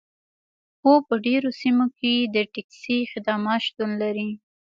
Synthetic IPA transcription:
xopəɖeɾosimoked̪əʈɪksixɪd̪ɑmɑt̪ʃt̪unlaɾi

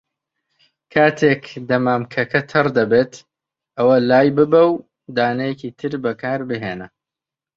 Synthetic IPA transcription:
kʰaːt̪ʰeːkd̪ɐmaːmkʰɐkʰɐt̪ʰɨrd̪ɐbeːt̪ | ʔɐwɐlaːjbɨbɐw | d̪aːnɐjɛkiːt̪ʰɨɾbɐkʰaːɾbɨɦeːnɐ

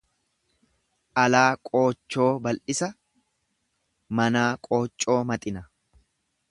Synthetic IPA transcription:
ʔɐlaːkʼo̞ːt͡ʃːo̞ːbɐlʔɪsɐ | mɐnaːkʼo̞ːt͡ʃʼːo̞ːmɐt̪ʼɪnɐ

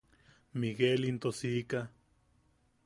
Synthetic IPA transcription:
miɡelint̪osika

